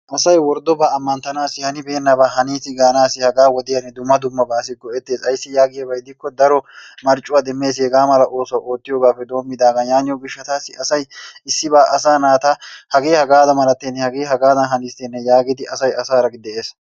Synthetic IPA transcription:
ʔɐsɐjwɔɾd̪ɔbaːɐmːɐnt̪ɐnaːsɪhɐnɪbeːnːɐbaːɦɐniːsɪɡaːnaːsɪhɐɡaːwɔd̪ɪjɐnːɛd̪ʊmːɐd̪ʊmːɐbaːs̬ɪɡɔʔɛt̪ːe̞ːsɐjsːɪjaːɡɪjɐbɐjd̪ɪkːɔd̪ɐɾɔmɐɾt͡ʃʼːʊwad̪ɛmːe̞ːs̬hɛɡaːmɐlɐʔo̞ːsɔʔo̞ːt̪ːɪjoːɡaːfːɛd̪o̞ːmːɪd̪aːɡɐnjaːnɪjɔɡɪʃːɐt̪aːsːɪɐsɐjɪsːɪbaːʔɐsaːnaːt̪ahɐɡeːhɐɡaːd̪ɐmɐlɐt̪ːɛnːɛhɐɡeːɦɐɡaːd̪ɐnɦɐniːst̪ɛnːɛjaːɡɪd̪ɪʔɐsɐjɐsaːɾɐɡɪd̪ɛe̞ːs

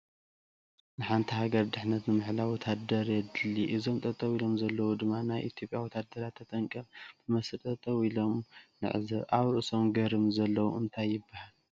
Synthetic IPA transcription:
nɨħant̪ʰihaɡɐɾd̪ɨħnɐt̪nɨmɨħlawɔt̪ʰad̪ɐɾjɛd̪ɨlːiʔɨzo̞mt̪ʼɐt̪ʼɐwilo̞mzɐlːɐwud̪ɨmːanajʔit̪ʰjo̞pʼjawɔt̪ʰad̪ɐɾat̪ʰːɐt̪ʼɐŋkʼɐmt̪ʰɨmɐst̪ʼɐt̪ʼɐwilo̞mnɨ̰ʕɨzɐβʔaβɾɨʔɨsomɡɐɾɨmzɐlːɐwṵɨnt̪ʰajːɪbːahal

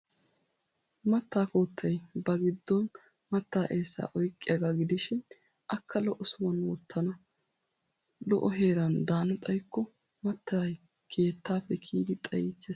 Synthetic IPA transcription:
mɐt̪ːaːko̞ːt̪ʰːɐjbɐɡɪd̪ːɔn | mɐt̪ːaːʔeːsːa̰ːʔɔjkʼːɪjaɡaːɡɪd̪ɪʃɪn | ʔɐkːɐlɔʔɔsʊwɐnwɔt̪ʰːɐnɐ | lɔ̰ʔɔɦe̞ːɾɐnd̪aːnɐt̪ʼɐjkːɔ | mɐt̪ːaj | kʰe̞ːt̪ːaːpːɛkʰiːɡ̪ɪt̪ʼɐ̰jɪt͡ʃːe

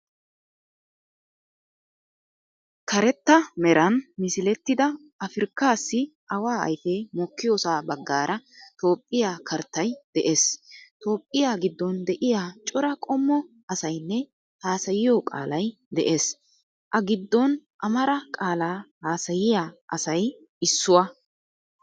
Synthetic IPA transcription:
kɐɾɛt̪ːɐmɛɾʔɐnmɪsɪlɛt̪ːɪd̪ɐ | ɐfɪɾkːaːsːɪʔɐwaːɐ̰jfeːmɔkːɪjoːsaːbɐɡːaːɾʔɐt̪o̞ːpʼːɪjaːkʰɐɾt̪ːɐjd̪̥ɛʔe̞ːst̪o̞ːpʼːɪjaːɡɪd̪ːɔnd̪ɛʔɪjaːt͡ʃʼɔɾɐkʼɔmːɔ | ʔɐsɐjnːɛ | haːsɐjɪjoːkʼa̰ːlɐj | d̪ɛʔe̞ːs | ʔɐɡɪd̪ːɔnʔɐmɐɾɐkʼaːlaːhaːsɐjɪjaːʔɐ̰sɐj | ɪsːʊwɐ

